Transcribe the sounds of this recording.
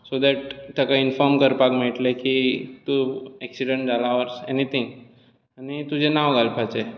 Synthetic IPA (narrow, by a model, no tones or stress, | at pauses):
sod̪ɛʈt̪akaɪnfɔɾmkəɾpakmeːʈlekit̪uɛksiɖə̃ɳʈ̚d͡ʒalaʋəɾsḛnit̪ʰĩŋɡ | anet̪ũd͡ʒenaʋɡalpʰat͡ʃʰe